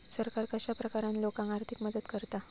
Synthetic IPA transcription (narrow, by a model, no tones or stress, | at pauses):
səɾkaɾkaɕapɾəkaɾanlokãŋaɾt̪ʰikməd̪əd̪kəɾt̪a